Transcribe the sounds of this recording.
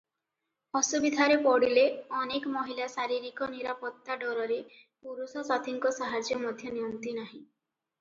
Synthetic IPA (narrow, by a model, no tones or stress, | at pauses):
ɔsubid̪ʱaɾepɔɽileɔnekɔmɔɦilasaɾiɾikɔniɾapɔt̪ːaɖɔɾɔɾepuɾusɔsad̪ʱiŋkɔsaɦad͡ʒjɔmɔd̪ʱjɔnijɔnt̪inaɦĩ